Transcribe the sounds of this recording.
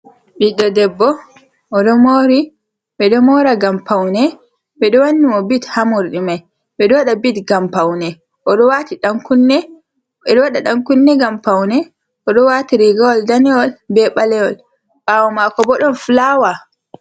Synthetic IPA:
biɗɔdɛbːɔ | ʔɔɗɔmoɾi | ɓɛɗɔmɔɾaɡampawnɛ | ɓɛɗɔwanːimɔbithamuɾɗimaj | ɓɛɗɔwaɗabitɡampawnɛ | ʔɔɗɔwatiɗaŋkunːɛ | ɓɛɗɔwaɗaɗaŋkunːɛɡampawnɛ | ʔɔɗɔwaːtiɾiɡawɔldanɛɔlbɛɓalɛɔl | ɓawɔmakɔbɔɗɔnflawa

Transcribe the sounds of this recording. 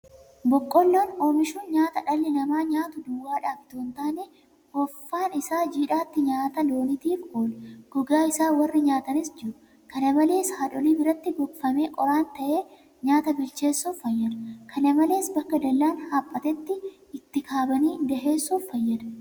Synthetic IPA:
bɔkʼːɔlːoːnoːmɪʃuːnɲaːt̪ɐᶑɐlːɛnɐmaːɲaːt̪ʊd̪ʊwːaːᶑaːfɪt̪oːnt̪aːnɛ | hɔfːaːnɪsaːd͡ʒiːᶑaːt̪ːɪɲaːt̪ɐlo̞ːnɪt̪iːfoːlɡ̥ɔɡaːɪsaːwɐrːɐɲaːt̪ɐnɪsd͡ʒɪɾʊ | kɐnɐmɐle̞ːshaːᶑɔliːnɪrːɐt̪ːɪɡɔɡfɐme̞ːkʼɔɾaːnt̪ɐʔe̞ː | ɲaːt̪ɐbɪlt͡ʃe̞ːsːuːfːɐjːɐᶑɐkʰɐnɐmɐle̞ːsbɐkːɐd̪ɐlːaːnhaːpʼːɐt̪ɛt̪ːɪ | ɪt̪ːɪkʰaːbɐniːd̪ɐɦeːsːuːfːɐjːɐᶑɐ̥

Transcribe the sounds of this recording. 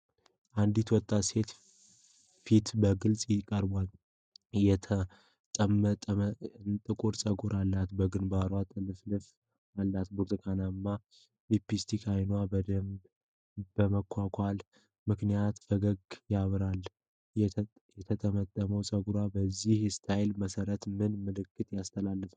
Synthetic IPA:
ʔand̪it̪wɔt̪ʼːase̞t̪ | fit̪bəɡɨlsʼjɪkʼəɾbʷal | jɛt̪ʰə | t̪ʼəmːət̪ʼːəənt̪ʼɨkʼuɾsʼəɡuɾʔalːat̪bəɡɨnbaɾwat̪ʼɨlɨflɨf | alːat̪buɾt̪ʼɨkʰanamːa | lipist̪ʰikʰajnwabəd̪əmb | bəməkʰʷːakʷʰʼal | mɨknijat̪fəɡəɡjaβɾal | jɛt̪ʰət̪ʰəmət̪ʼːəməwsʼəɡuɾwabəzːihst̪ʰajlməsəɾət̪mɨnmɨlɨkːɨt̪jast̪ʰəlalːɨf

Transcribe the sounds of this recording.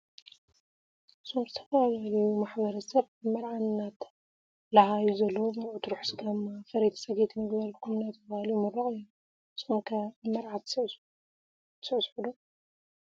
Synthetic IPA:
sʰomzɨt̪ʰɐfaβalɐjumaħbɐɾɐsɐβ | ɨmɐɾʕanːat̪ | lɐhajuzɐlːɐwomɐɾʔut̪ʰɨɾuħsɡamːafɐɾet̪ʰsɐɡet̪ʰnɨɡbɐlkʰumɨnat̪ʰɐfahɐljumɨrɐχʼɨjːu | z̥ɨxonkʰɐbɨmɐɾʕat̪ʰ | sɨsħud̪o

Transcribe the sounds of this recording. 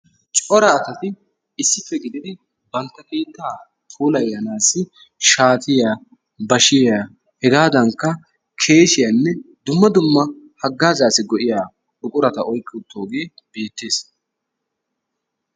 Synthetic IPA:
t͡ʃʼɔɾɐːt̪ɐt̪ɪ | ɪsːɪfːɛɡɪd̪ɪd̪ɪ | bɐnt̪ːɐkeːt̪ːaː | tʰuːlɐjːɐnaːsɪ | ʃaːt̪ʰɪjaː | bɐʃɪja | hɛɡaːd̪ɐŋkːɐ | kʰe̞ːʃɪjɐnːɛd̪ʊmːɐd̪ʊmːɐ | hɐɡːaːzaːsɪɡɔʔɪjaː | ʊkʼʊɾɐt̪ɐʔɔjkʼːɪʊt̪ʰːoːɡeːb̥e̞ːt̪ːe̞ːs

